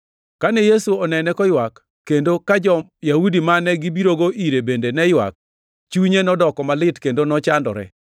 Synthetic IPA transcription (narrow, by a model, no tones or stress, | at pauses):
kanejesuɔnɛnɛkɔjwakː | endokad͡ʒɔjaudimanɛɡibiɾoɡoʔiɾebendenɛjwa̰k̚ | t͡ʃuɲenɔdɔkɔmalɪtkendonɔt͡ʃandɔ̰ɾɛ̰